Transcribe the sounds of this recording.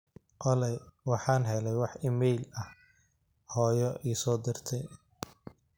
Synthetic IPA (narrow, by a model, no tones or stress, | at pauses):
ʔɔlɛjwɑħɑːnɦɛlɛjwɑħɪmɛjlɐh | hɔːjɔʔiːsɔːd̪ɪrt̪ʰɛj